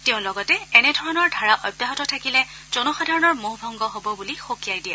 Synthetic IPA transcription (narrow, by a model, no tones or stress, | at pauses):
teʊ̃lɔɡɔtɛɛnɛdʱɔɹɔnɔɹdʱaɹaʔɔbjaɦɔtɔtʰakilɛ | z̥ɔnɔxɔdʱaɹɔnɔɹmoɦbʱɔŋɡɔɦobɔbulixokijajdiɛ